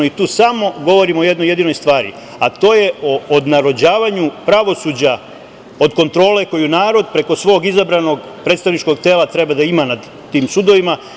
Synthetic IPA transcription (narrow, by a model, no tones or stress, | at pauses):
oit̪uːsamo̞ɡo̞ʋo̞ɾimojed̪noje̞d̪inojst̪ʋaːɾḭ | at̪o̞ːje̞oːd̪naɾo̞d͡ʑaːʋaɲupɾaʋo̞suːd͡ʑa | od̪ko̞nt̪ɾo̞ːle̞ko̞junaːɾo̞d̪pɾe̞ko̞sʋo̞ːɡizabɾanoɡ | pɾet̪st̪aʋnit͡ʃko̞ɡt̪eːlat̪ɾe̞bad̪aimanad̪ːiːmsud̪o̞ʋima